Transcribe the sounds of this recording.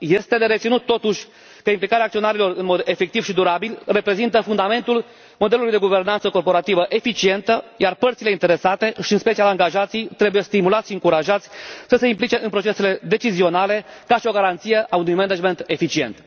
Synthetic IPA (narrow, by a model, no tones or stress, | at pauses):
je̞st̪e̞d̪eɾe̞t̪sinut̪ːo̞t̪uʃʲ | kəimplikaɾeak̚t̪io̞naɾilo̞rɨnmo̞d̪e̞fe̞k̚t̪ivʃid̪uɾabilre̞pɾe̞zint̪əfund̪ame̞nt̪ul | mo̞d̪elulujd̪eɡuve̞rnant̪səko̞rpo̞ɾat̪ivəʔe̞fit͡ʃie̞nt̪əjarpərt̪sile̞int̪e̞ɾe̞sat̪e̞ʃiɨnspe̞t͡ʃialaŋɡaʒat̪sijt̪ɾe̞buje̞st̪imulat̪sʃiɨŋkuɾaʒat̪sʲsəse̞implit͡ʃe̞ʔɨnpɾo̞t͡ʃe̞se̞le̞d̪e̞t͡ʃizio̞nale̞kaʃio̞ɡaɾant̪sije̞ʔaunujmened͡ʒme̞nt̪e̞fit͡ʃie̞̰nt̪